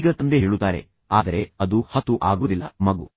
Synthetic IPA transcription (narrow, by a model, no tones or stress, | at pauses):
ɡɐt̪ɐnd̪eɦeːɭut̪ːaːɾe̞̰ | aːd̪ɐɾe̞ɐd̪uhɐt̪uʔaːɡoːd̪ilːɐ̰mɐɡu